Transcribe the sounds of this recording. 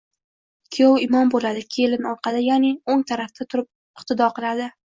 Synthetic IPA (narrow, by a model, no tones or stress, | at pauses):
kʲʰijowɪmɒmbolad̪ɪkʲʰe̞lɪnɒɾqʰɑd̪ajanɪoŋt̪ʰaɾaft̪ʰat̪ʰʊɾɪp̚ | ɪχt̪ʰɪd̪ɒqʰɨlˠad̪ɪ